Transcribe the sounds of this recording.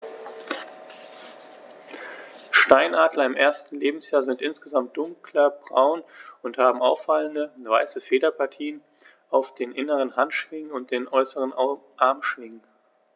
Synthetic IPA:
ʃtaɪnʔaːdlɐɪmʔeːɐstn̩leːbm̩sjaːɐzɪntʔɪnsɡ̥əzamt̚d̥ʊŋklɐbʁa̰ʊnʊnthaːbm̩aʊfaləndəvaɪsəfeːdɐpʰaɐtʰiːən | ʔaʊfd̥eːnʔɪnəʁənhantʃv̥ɪŋənʊnt̚d̥eːnʔɔʏsəʁənʔaɐmʃv̥ɪŋən

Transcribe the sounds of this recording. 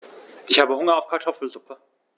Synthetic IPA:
ʔɪçhaːbəhʊŋɐaʊfkʰaɐtʰɔfl̩zʊpʰə

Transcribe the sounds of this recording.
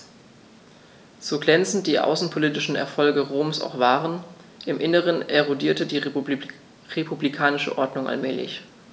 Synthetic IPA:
z̥oːɡlɛnt͡sn̩t̚d̥iːʔa̰ʊsn̩pʰoliːtɪʃn̩ɛ̰ɐfɔlɡəʁoːmsa̰ʊxv̥aːʁən | ʔɪmʔɪnəʁ̞ənʔɛʁodiːɐtədiː | ʁepʰublikʰaːnɪʃə̰ʔɔɐdnʊŋʔa̰lmɛːlɪ̰ç

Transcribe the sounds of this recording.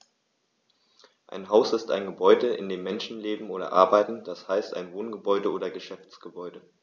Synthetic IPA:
ʔa̰ɪnɦaʊsɪsta̰ɪnɡəbɔʏdəʔɪ̰ndeːmːɛnʃn̩leːbm̩ʔoːɾɐ̰ʔa̰ɐbaɪtn̩d̥ashaɪsta̰ɪnvoːnɡəbɔʏdəoːdɐɡəʃɛft͡sɡ̥əbɔʏdə

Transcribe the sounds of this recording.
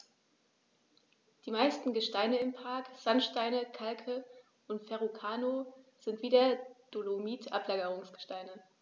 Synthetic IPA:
d̥iːmaɪstn̩ɡəʃtaɪnəɪmpʰaɐkz̥anʃtaɪnəkʰalkʰə | ʊntfɛʁukʰaːnoːz̥ɪntv̥iːdeɐd̥olomiːtʔa̰plaːɡəʁ̞ʊŋsɡ̥ə̥ʃtaɪnə

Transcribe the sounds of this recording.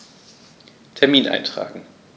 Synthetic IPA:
tʰɛɐmiːnʔa̰ɪntʁ̥a̰ːɡŋ̩

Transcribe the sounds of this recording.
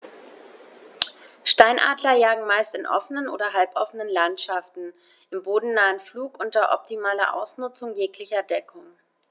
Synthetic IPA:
ʃtaɪnʔa̰ːdlɐjaːɡŋ̩maɪstɪnʔɔ̰fənənʔo̰ːdɐɦalpʔɔfənənlantʃaftn̩ | ʔɪmboːdn̩naːənfluːkʔʊntɐʔɔ̰p̚timaːlɐ̰ʔa̰ʊsnʊt͡sʊŋjeːklɪçɐdɛkʰʊŋ

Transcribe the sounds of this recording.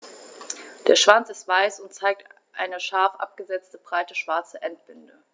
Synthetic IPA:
d̥eːɐʃv̥ant͡sɪstv̥aɪsʊntt͡saɪk̚t | ʔa̰ɪnəʃaɐfʔa̰p̚ɡ̥əzɛt͡stəbʁaɪtəʃv̥aɐt͡səʔɛnt̚b̥ʏndə

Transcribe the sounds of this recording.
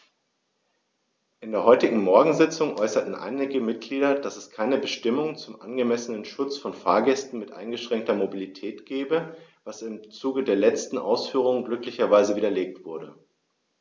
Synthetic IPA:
ʔɪndeːɐɦɔʏtɪɡŋ̩mɔɐɡŋ̩zɪt͡sʊŋʔɔʏsɐtn̩ʔa̰ɪnɪɡəmɪt̚ɡ̥liːɾɐd̥asɛskʰaɪnəbəʃtɪmʊŋt͡sʊmʔa̰nɡəmɛsənənʃʊt͡sfɔnfaːɐɡɛstn̩mɪtʔa̰ɪnɡəʃʁ̥ɛŋk̚tɐmobilitʰɛːtɡ̥ɛːbəvasɪmt͡suːɡədeːɐlɛt͡stn̩ʔa̰ʊsfyːʁ̞ʊŋɡlʏklɪçɐvaɪzəviːdɐleːk̚tv̥ʊɐɾə

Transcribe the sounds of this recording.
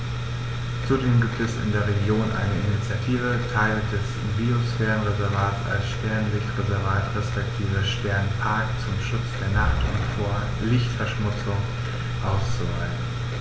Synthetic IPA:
t͡sudeːmɡiːp̚tɛsɪ̰ndeːɐʁeɡjoːnʔa̰ɪnəinit͡sjatʰiːvətʰaɪld̥ɛs | biosfɛːʁənʁezɛɐvaːtsa̰lsʃtɛɐnlɪçtʁezɛɐvaːtʁɛspɛk̚tʰiːvəʃtɛɐnpʰaɐkt͡sʊmʃʊt͡sd̥eːɐnaχtʊ̰ntfoːɐ | lɪçtfɛɐʃmʊt͡sʊŋ | ʔaʊst͡suvaɪn̩

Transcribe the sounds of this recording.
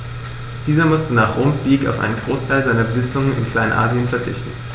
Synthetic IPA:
d̥iːzɐmʊstənaːχʁoːmsz̥iːka̰ʊfʔa̰ɪnənɡʁoːstʰaɪlzaɪnɐbəzɪt͡sʊŋənɪ̰nkʰl̥aɪnənʔa̰ːziənfɛɐt͡sɪ̰çtn̩

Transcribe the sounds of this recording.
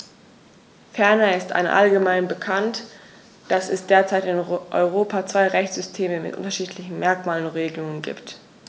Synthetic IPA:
fɛɐnaɪstʔa̰nʔa̰lɡəmaɪnbəkʰant | d̥asɛsd̥eːɐt͡saɪtɪnʔɔ̰ʏʁoːpʰat͡sv̥aɪʁɛçt͡sz̥ʏstʰeːməmɪtʔʊ̰ntɐʃiːtʰlɪçn̩mɛɐkmaːlənʁeːɡəlʊŋənɡḭːpt

